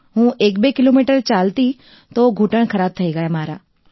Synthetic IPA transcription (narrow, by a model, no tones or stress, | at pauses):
ɦũːʔeːkbekɪloːmiːʈəɾt͡ʃaːlt̪i | t̪oɡʱuːʈəɽ̃kʰəɾaːb̚t̪ʰɐeːɡajmaːɾaː